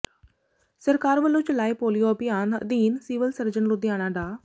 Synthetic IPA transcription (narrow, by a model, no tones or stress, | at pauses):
səɾkaːɾʋəlːõːt͡ʃəlaːeːpoːlijoːəbɪjaːnd̪iːnsiːʋəlsəɾd͡ʒənlũd̪ɪjaːnaːɖaː